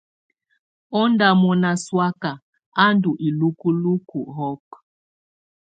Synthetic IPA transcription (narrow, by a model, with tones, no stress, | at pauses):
ɔ˦nda˨mɔ˨na˨swa˦ka˨ | a˦ndu˨ʔi˨lu˦ku˦lu˦ku˨ɦɔ˦k